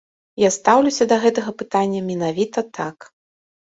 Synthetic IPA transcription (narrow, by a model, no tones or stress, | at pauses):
jast̪awlʲusʲɐd̪ɐɣɛt̪ɐɣɐpɨt̪anʲːɐmʲɛnavʲit̪ɐt̪ʰak